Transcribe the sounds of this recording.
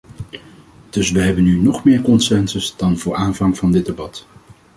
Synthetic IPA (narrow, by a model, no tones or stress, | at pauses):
d̥ɵsʋəɦɛbənynɔχmɪːɹkɔnsɛnsəzd̥ɑnvʊːɹʔaːnvɑŋvɑndɪd̚debɑt